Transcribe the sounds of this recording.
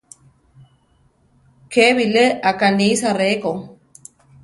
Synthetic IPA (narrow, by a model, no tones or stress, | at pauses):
keβileakanisarekoŋ